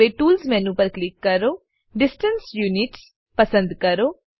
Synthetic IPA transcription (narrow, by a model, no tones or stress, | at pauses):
eʈuːlzmɛ̃ːnũːpəɾklɪkːəɾoː | ɖɪsʈənsjuːnɪʈs | pəsə̃nd̪kəɾoː